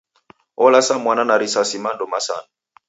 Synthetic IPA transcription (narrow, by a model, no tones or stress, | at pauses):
ɔlasamwananaɾisasimandɔmasa̰na